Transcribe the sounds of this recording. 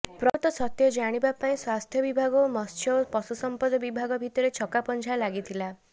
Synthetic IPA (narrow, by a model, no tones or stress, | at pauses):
pɾɔt̪ɔsɔt̪jɔd͡ʒaɽ̃ibapaĩswast̪ʰjɔbibʱaɡɔmɔst͡ʃʰjɔpɔsusɔmpɔd̪ɔbibʱaɡɔbʱit̪ɔɾet͡ʃʰɔkapɔnt͡ʃʰalaɡit̪ʰila